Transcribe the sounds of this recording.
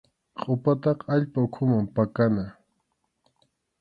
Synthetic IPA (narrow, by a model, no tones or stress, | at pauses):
qʼʊpat̪ɑqaʎpaʊkʰʊmampakana